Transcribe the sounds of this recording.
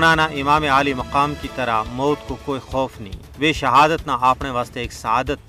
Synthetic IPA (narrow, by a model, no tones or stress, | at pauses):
naːnaʔɪmaːmeaːlimɐqaːmkit̪ɐɾamɐːt̪kokoːixɔːfnɐḭ̃ː | ʋeːʃɐɦaːd̪ət̪naaːpɳeʋaːst̪eːksɐaːd̪ət̪̚